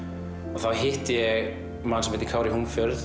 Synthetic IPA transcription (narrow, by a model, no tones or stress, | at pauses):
ɔθawɦɪht̪ɪjɛɣ | mansɛmhɪːt̪ɪ̥kʰaːwɾɪhuːmfʏɾð